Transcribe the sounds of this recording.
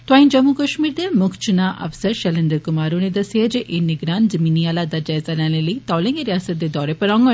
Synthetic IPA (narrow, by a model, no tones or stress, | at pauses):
t̪waːind͡ʒɐmukɐʃmiːɾd̪emukʰt͡ʃʰunaʔɐ̰ʋsɐɾʃɐlind̪ɐɾkumaːɾunid̪ɐsed͡ʒʔinːiɡɾaːnzɐminijaːlad̪ɐd͡ʒɐjzanalilit̪aːleŋɡeɾjaːsɐt̪̚d̪ed̪ɔːɾepɐɾaːŋɡɐ